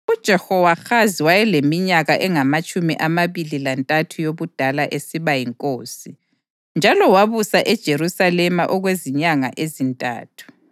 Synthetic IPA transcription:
ud̥ʒ̥ʱɛhɔwaxaziwajɛlemiɲaɣaʔɛŋamat͡ʃʼumiʔamaβililantʼatʰujoβud̥ʱalaʔesiβajiŋkʼoːsi | nd͡ʒʱalɔwaβusaʔɛd̥ʒ̥ʱeɾusalɛmaʔɔɣweziɲaŋa̰ʔezintʼa̰ːtʰu̥

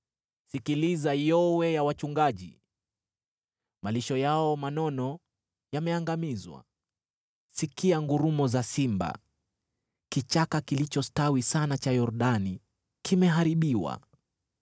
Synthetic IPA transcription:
sikilizajɔwɛjawat͡ʃuŋɡaʄḭ | maliʃɔjaɔmanɔnɔ | jamɛaŋɡamizwa̰ | sikiaŋɡuɾumɔzasimba̰ | kit͡ʃakakilit͡ʃɔstawisanat͡ʃajɔɾuɗani | kimɛɦaɾiɓiwa̰

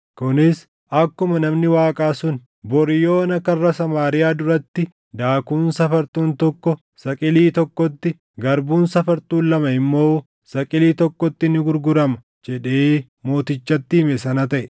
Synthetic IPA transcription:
kʊnɪs | ɐkːʊmɐnɐmnɪwaːkʼaːsʊn | bɔɾjo̞ːnɐkːɐrːɐsɐmaːɾɪjaːd̪ʊɾɐt̪ːɪ | d̪aːkuːnsɐfɐɾt̪uːnt̪ɔkːɔ | sɐkʼɪliːt̪ɔkːɔt̪ːɪ | ɡɐɾbuːnsɐfɐɾt̪uːnlɐmɐɪmːo̞ː | sɐkʼɪliːt̪ɔkːɔt̪ːɪnɪɡʊɾɡʊɾɐmɐ̥ | d͡ʒɛᶑeː | mo̞ːt̪ɪt͡ʃːɐt̪ːɪɪmɛsɐnɐt̪ɐʔɛ

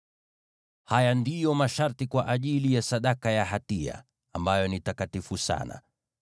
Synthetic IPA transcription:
hajandijɔmaʃaɾtikwaʔaʄilijasaɗakajaɦatia̰ | ambajɔnitakatifusa̰na̰

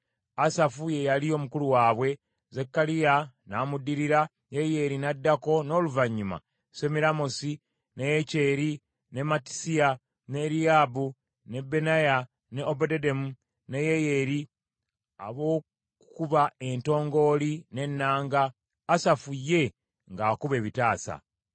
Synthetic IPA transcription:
asafuje̞jalio̞mukuluwaːβwe̞ | zekːalijanaːmudiɾiɾa | jeje̞ːɾinadːako̞no̞ːluvaɲːima̰ | se̞miɾamosi | nejece̞ːɾi | ne̞mati̥sia | ne̞ɾijaːbu | ne̞be̞naja | neobodedemu | nejejeɾi | a̰βo̞ː | kukuβae̞nto̞ːŋɡo̞line̞nːaːŋɡaː | safujːe̞ | ŋɡaːkuβe̞ːβitaːsa̰

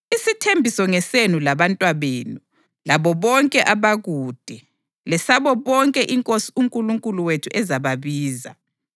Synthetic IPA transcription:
isitʰembʱisɔŋɛsenulaβantʼwaβeːnu | laβɔβɔŋkʼɛʔaβaɣuːd̥ʱɛ | lɛsaβɔβɔŋkʼɛʔiŋkʼosiuŋkʼuluŋkʼuluwetʰuʔɛzaβaβiːza̰

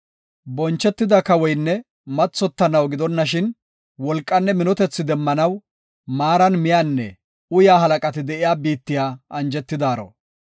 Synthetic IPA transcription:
bɔnt͡ʃːɛt̪ːɪd̪ɐkɐwɔjnːɛ | mɐt͡sːɔt̪ːɐnɐwɡɪd̪ɔnːɐʃɪn | wɔlkʼːɐnːɛmɪnɔt̪ɛt͡sːɪd̪ɛmːɐnɐw | maːɾɐnmɪjanːɛ̰ | ʊjaːɦɐlɐkʼɐt̪ɪd̪ɛʔɪjaːbiːt̪ːɪjaːʔɐnd͡ʒɛt̪ːɪd̪aːɾɔ̰

